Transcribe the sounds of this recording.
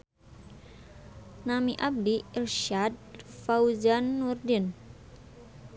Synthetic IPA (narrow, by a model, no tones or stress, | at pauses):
namiʔab̚diilʃad̚fawzanːurdin